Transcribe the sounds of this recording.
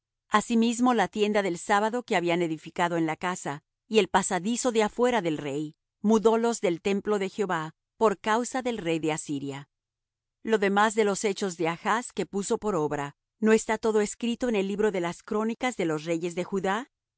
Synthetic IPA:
asimizmo̞lat̪je̞nd̪aðe̞lsaβaðo̞ke̞aβiane̞ðifikaðo̞enlakasa | ie̞lpasaðiso̞ðeafwe̞ɾaðe̞lre̞j | muðo̞lo̞zðe̞lt̪e̞mplo̞ðe̞xjo̞βa | po̞ɾkawsaðe̞lre̞jðe̞asiɾja | lo̞ðe̞mazðe̞lo̞se̞t͡ʃo̞zðe̞axaske̞puso̞po̞ɾo̞βɾa | no̞e̞st̪at̪o̞ðo̞eskɾit̪o̞ene̞lːiβɾo̞ðe̞laskɾo̞nikazðe̞lo̞sre̞ʝe̞zðe̞xuða

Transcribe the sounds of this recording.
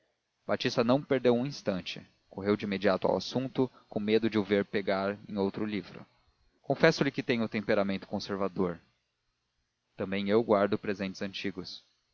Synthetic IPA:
b̥at͡ʃist̪ɐnɐ̃w̃peɾd̪ewũĩst̪ɐ̃nt͡ʃɪ̰ | koɦewd͡ʒɪimed͡ʒiat̪ʊa̰wa̰sũnt̪ʊ | kõmed̪ʊd͡ʒɪʊveɾpeɡaɾḛ̃j̃owt̪ɾʊlivɾʊ̰ | kõfɛsʊlɪkɪt̪ẽj̃ʊt̪ẽmpeɾamẽnt̪ʊ̥kõseɾvad̪oɾ | t̪ɐ̃mbẽj̃ewɡwaɾd̪ʊpɾezẽnt͡ʃɪzɐ̃nt͡ʃiɡʊs

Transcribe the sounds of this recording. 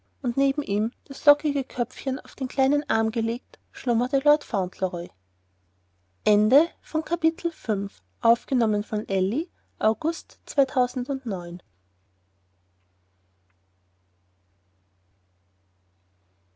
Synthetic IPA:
ʔʊntneːbm̩ʔiːmd̥aslɔkɪɡəkʰœp͡fçəna̰ʊfd̥eːnkl̥aɪnənʔaɐmɡəleːk̚tʃlʊmɐtəlɔɐtfaʊ̃ntʰləʁɔʏ | ʔɛndəfɔnkʰapitʰl̩fʏnf | ʔaʊfɡ̥ənɔmənfɔnʔɛli | ʔaʊɡʊstt͡sv̥aɪtʰaʊzn̩dʊntnɔʏn

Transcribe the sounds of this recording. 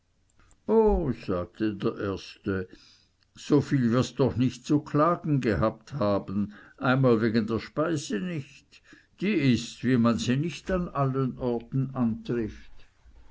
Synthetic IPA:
ʔoːz̥aːɡ̥̚tədeːɐʔeːɐstə | z̥ofiːlvɪɐsd̥ɔχnɪçt̚t͡sukʰlaːɡn̩ɡəhaːp̚thaːbən̩ʔaɪnmaːlveːɡəndeːɐʃpaɪzənɪçt | d̥iːɪstviːmanziːnɪçtanalənʔɔɐtn̩ʔantʁɪft

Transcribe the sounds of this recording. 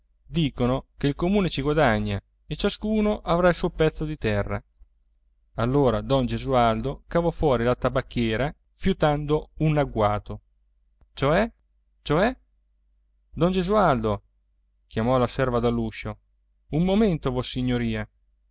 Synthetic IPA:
d̪iːkonokeilkomuːnet͡ʃiɡwad̪aɲːa | et͡ʃaskuːnoʔavɾailsuopɛt̪sːod̪it̪ɛrːa̰ | alːoːɾad̪ɔnd͡ʒezuald̪okavɔfwɔːɾilat̪abakːjɛːɾa | fjut̪and̪ounaɡwaːt̪o | t͡ʃoɛ | t͡ʃoɛ | d̪ɔnd͡ʒezuald̪o | k̟jamɔlasɛrvad̪alːuʃo | umːoment̪ovosiɲːoɾiːa

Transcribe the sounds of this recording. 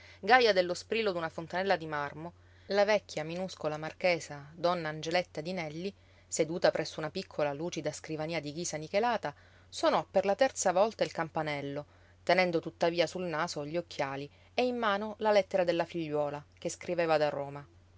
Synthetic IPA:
ɡajad̪elːospɾilːod̪unafont̪anɛlːad̪imarmo | lavɛkʲːjaminuskolamarkeːsad̪ɔnːaːnd͡ʒelɛt̪ːad̪inɛlːi | sed̪uːt̪apɾʔɛsːounapikʰːolaluːt͡ʃid̪askɾivaniːad̪iɡiːsanikelaːt̪a | swonɔpːerlat̪ɛrt̪savɔlt̪ailkampanɛlːo | t̪enɛnd̪ot̪ut̪ːaviːasulnaːsoʎːiokʰːjaːli | eimːaːnolalɛt̪ːeɾad̪elːafiʎːwɔːlakeskɾiveːvad̪aroːma

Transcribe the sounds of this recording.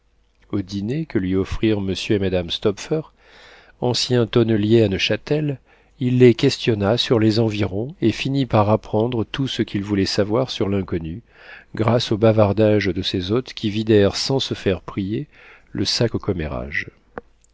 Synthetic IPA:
od̪inekəlɥiɔfχiʁməsjøemad̪amst̪ɔpfœʁ | ɑ̃sjɛ̃t̪ɔnljeanoʃat̪ɛl | ilːekʲɛst̪jɔnasyʁlezɑ̃viʁɔ̃efinipaʁapχɑ̃d̪ʁət̪usəkʲʰilvulɛsavwaʁsyʁlɛ̃kɔny | ɡʁasobavaʁd̪aʒd̪əsezot̪kʲʰivid̪ɛʁsɑ̃səfɛʁpχije | ləsakokɔmḛʁa̰ʒ

